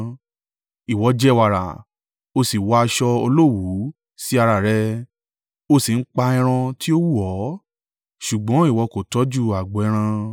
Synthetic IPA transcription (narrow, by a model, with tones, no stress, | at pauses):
i˨wɔ˨˦d͡ʒɛ˦˨wa˨ɾa̰˨ | o˧si˨wa˧ʃɔ˧o˧lo˦˨wu˨˦ | si˦a˧ɾa˨ɾɛ˧ | o˧si˨n̩˦k͡pa˧ɛ˧ɾ̃ã˧tʰi˦o˦wu˦˨ɔ˨˦ | ʃu˨ɡ͡bɔ̃˨˦i˦˨wɔ˧ko˨tɔ˨˦d͡ʒu˦a˨ɡ͡bɔ˨ɛ˧˦ɾ̃ã˧